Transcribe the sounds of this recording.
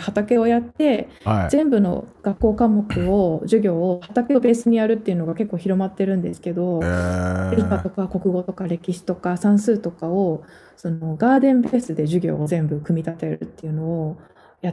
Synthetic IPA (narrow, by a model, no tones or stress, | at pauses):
hat̪ake̞o̞jat̪ːe̞z̥ẽ̞mbɯ̟no̞̰ɡ̥akːo̞ːkamo̞kɯ̟o̞ʑɨɡʲo̞ːhat̪akeobe̞ːsɨɲ̟ijaɾɯ̟t̪ːe̞iɯ̟no̞ɡake̞kːo̞ːçiɾo̞mat̪ːe̞ɾɯ̟̃nd̪e̞sɨ̥ke̞d̪o̞ | ɾʲikat̪o̞kako̞kɯ̟ɡo̞t̪o̞kaɾe̞kʲiɕi̥t̪o̞kasãɰ̃sɨːt̪o̞kao̞ | so̞no̞ɡaːd̪ẽ̞mbe̞ːsɨd̪e̞ʑɨɡʲo̞̰ːzẽ̞mbɯ̟kɯ̟mʲit̪at̪eɾɯ̟̰t̪ːe̞ɯ̟no̞ː | ja